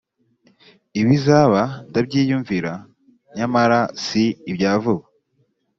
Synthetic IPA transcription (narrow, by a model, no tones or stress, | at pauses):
iβizaβandab̚ɟiːjuɱviɾa | ɲamaɾasiːbjaːvuβa